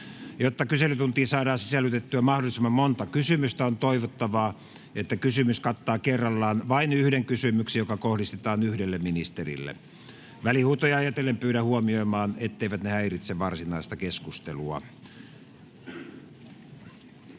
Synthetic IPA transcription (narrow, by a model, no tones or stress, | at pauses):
jot̪ːɑkyselyt̪unt̪iːsɑːɾɑːsisælːyt̪et̪ːyæmɑhdolːˑisemːɑmmont̪ɑkysymyst̪æont̪oiʋot̪ːɑʋɑː | et̪ːækysymyskɑt̪ːɑːkerːɑlːɑːnʋɑinyhdeŋkysymyksejokɑkohɾist̪et̪ɑːnyhdelːemminist̪erḭlːḛ | ʋælihuːt̪ojɑjɑt̪elːempyːɾæhuomioimɑːnet̪ːeiʋæt̪nehæirit̪seʋɑrsinɑist̪ɑkeskust̪eluɑ̰